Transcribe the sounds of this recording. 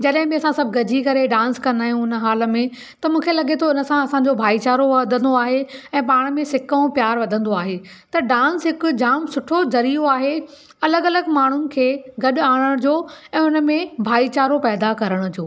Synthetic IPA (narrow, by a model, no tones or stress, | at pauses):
d͡ʑɐɗɦɪ̃bĩɐsãsɐbʱɪɡɐd͡ʑʱikɐɾeɖãːnskɐ̃nd̪aːɦijũɪnə̆ɦaːlə̆mẽ | t̪ɐmũːkʰelɐɠet̪ʰoɪnə̆sãɐsãɲd͡ʑobʱaːit͡ɕaːɾoʋd̪ʱə̃nd̪oaːɦeɛ̃ːpaːɽ̃mẽsɪkəũpjaːɾʋɐd̪ʱə̃nd̪oaːɦe | t̪ɐɖãːnsɦɪkʊd͡ʑaːmsʊʈʰozɐɾioaːɦe | ɐləɡɐləɡmaːɳ̤ʊnɪ̆kʰeːɡɐɗʊaːɽ̃əɽ̃d͡ʑoːɛ̃ːʊnə̆mẽbʱaːit͡ɕaːɾopɛːd̪akɐɾəɽ̃ʊ̆d͡ʑoː